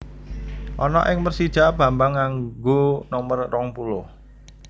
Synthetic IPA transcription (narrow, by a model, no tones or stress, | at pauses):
ʔɔnɔ̰ʔɪŋmərsid̥ʒ̥a̤b̥a̤mbaŋːaŋɡonɔmərːɔŋpulʊh